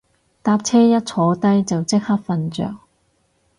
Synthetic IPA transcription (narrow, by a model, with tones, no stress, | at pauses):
t̪aː˧p̚t͡sʰɛː˥jɐ˥t̚t͡sʰɔː˨˥t̪ɐ˥jt͡sɐ˨wt͡sɪ˥k̚hɐ˥k̚fɐ˧nt͡ʃœ̰ː˨˩ŋ̚